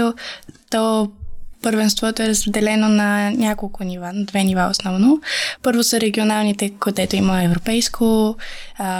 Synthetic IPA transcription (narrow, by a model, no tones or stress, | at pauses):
ot̪ɔ | pəɾvɛnst̪vɔt̪oɛɾəzzd̪ɛlɛnonɐnʲakolˠkʊnivanɐd̪vɛnivao̰snɔvnopɤɾvosəɾɛɡʲionalˠnit̪ɛkod̪ɛt̪oiməɛvɾopɛjskʰo